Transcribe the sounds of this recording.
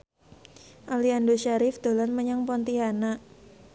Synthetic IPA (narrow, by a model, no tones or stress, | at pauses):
ʔaliandoʃaɾɪfd̪̥o̤lanməɲaŋpɔnt̪iɦana